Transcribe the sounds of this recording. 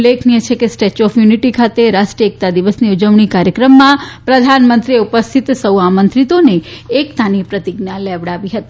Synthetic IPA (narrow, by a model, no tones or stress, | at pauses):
lekʰnijet͡ʃʰekesʈet͡ʃɔfjuniʈikʰat̪eɾaʃʈɾiek̚t̪ad̪iʋəsniud͡ʒəʋɳikaɾjəkɾəmːãpɾəd̪ʱanmənt̪ɾieupəst̪ʰit̪səwamənt̪ɾit̪oneːkt̪anipɾət̪iɡnaleʋɽaʋiɦət̪i̥